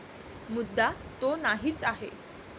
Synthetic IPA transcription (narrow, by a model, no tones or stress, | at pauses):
mud̪ːat̪onaɦiːt͡saɦḛ